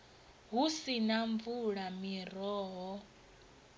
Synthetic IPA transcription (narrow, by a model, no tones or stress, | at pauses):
ɦusinaɱvuɺamiɾɔːɦɔ